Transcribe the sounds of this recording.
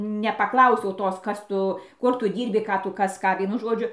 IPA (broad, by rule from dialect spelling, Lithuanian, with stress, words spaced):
nʲɛpɐˈklˠɐʊsʲɛʊ ˈtoːs ˈkɐs ˈtʊ ˈkʊr ˈtʊ ˈdʲiːrʲbʲɪ ˈkɑː ˈtʊ ˈkɐs ˈkɑː ˈʋʲiɛnʊ ˈʒoːd͡ʒʲʊ